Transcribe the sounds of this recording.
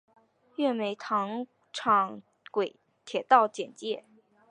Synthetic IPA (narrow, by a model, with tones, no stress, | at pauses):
ɥɛ˥˩me˧˥ɪt̪ʰɑ˧˥ŋ | ʈ͡ʂʰɑ˨˩ŋ | kwe˨˩ɪ | t̪ʰjɛ˨˩t̪ɑ˥˩ʊt͡ɕjɛ˨˩nt͡ɕjɛ˥˩